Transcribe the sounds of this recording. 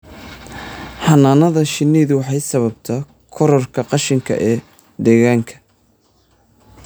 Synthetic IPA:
ħɑnaːnɐðɐʃɪniːðʊwɑħɑjsɐβɐb̚t̪ʰɐ | kʰɔɾɔrkʰɐqɑʃɪŋkʰɐ̰ʔɛː | d̪ɛːɣaːŋkʰɐ̥

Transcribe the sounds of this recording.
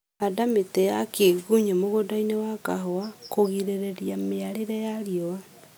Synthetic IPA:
hadametɛjakeɣuɲemoɣodainewakaɦɔakoɣiɾeɾɛɾjameaɾeɾɛjaɾjɔwa

